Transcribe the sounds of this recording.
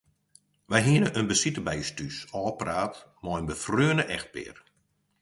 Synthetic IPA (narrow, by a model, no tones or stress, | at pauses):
ʋɛjɦiənəʔənbəsitəbɛjstysɔːpraːtmɔjənbəfrøːnəʔɛxt̚pɪ̰ːr